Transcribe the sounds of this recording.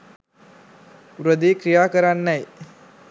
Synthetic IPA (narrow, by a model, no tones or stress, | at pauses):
uɾəd̪iːkɾijaːkəɾanːɛj